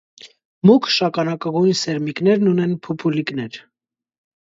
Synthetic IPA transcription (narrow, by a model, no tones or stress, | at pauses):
mukʰʃɑkɑnɑkɑɡujnsɛɾmiknɛɾnunɛnpʰupʰuliknɛɾ